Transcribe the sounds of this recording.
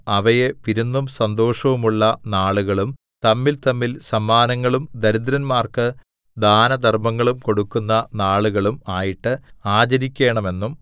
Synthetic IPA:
ɐʋɐjeʋiɾunːumsɐnd̪o̞ːʂɐʋumuɭːɐnaːɭuɣɐɭum | t̪ɐmːilt̪ɐmːilsɐmːaːnɐŋːɐɭumd̪ɐɾid̪ɾɐnmaːrkɨ | d̪aːnɐd̪ʱɐrmɐŋːɐɭumko̞ɽukːunːɐnaːɭuɣɐɭumaːjiʈːɨaːt͡ɕɐɾikʲːe̞ːɳɐme̞nːum

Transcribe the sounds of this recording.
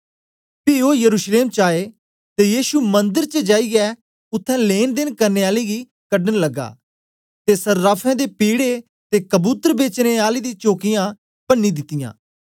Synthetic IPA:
piːoːjəɾuːʃleːmt͡ʃaːeː | t̪eːjiːʃuːmə̃nd̪əɾt͡ʃəd͡ʒaːiɡɛː | ʊt̪ʰːɛ̃ːleːnd̪ɪnkəɾneːaːleːɡi | kəɖənləɡːa̰ː | t̪esəɾːaːpʰɛ̃ːd̪eːpiːɽe | t̪eːkəbuːt̪əɾbeːt͡ʃneːaːliːd̪ĩːt͡ʃoːkijãː | pənːiːd̪ɪt̪ːɪjã̰ː

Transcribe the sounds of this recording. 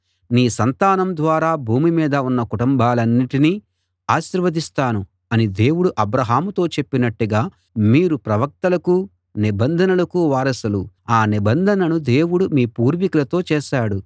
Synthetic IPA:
niːsɐnt̪aːnɐmd̪ʋaːɾaːbʱuːmimiːd̪ɐunːɐkuʈumbaːlɐnːiʈini | aːʃiɾʋɐd̪ist̪aːnu | ɐnid̪e̞ːwuɽuʔɐbɾɐɦaːmut̪o̞ːt͡ʃe̞pːinɐʈːuɡaː | miːɾupɾɐʋɐk̚t̪ɐlɐku | nibɐnd̪ʱɐnɐlɐkuʋaːɾɐsulu | aːnibɐnd̪ʱɐnɐnud̪e̞ːwuɽumiːpuːɾʋikulɐt̪o̞ːt͡ʃɛːʃaːɽu

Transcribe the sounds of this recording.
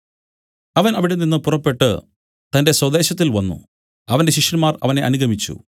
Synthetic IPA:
ɐʋɐnɐʋiɽeninːɨpurɐpːe̞ʈːɨ̰ | t̪ɐnde̞swɐd̪e̞ːɕɐt̪̬ːilʋɐnːṵ | ɐʋɐnde̞ɕiʂjɐnmaːrɐ̰ʋɐne̞ʔɐnuɡɐmit͡ɕːṵ

